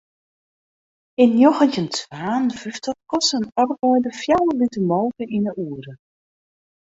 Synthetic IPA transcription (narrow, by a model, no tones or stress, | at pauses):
ɪnjoɣəntəntʰʋaːnvyftɔt̚kɔsənɔrbɔjdəfjawəlitəmoːkəʔinəʔuːəɾə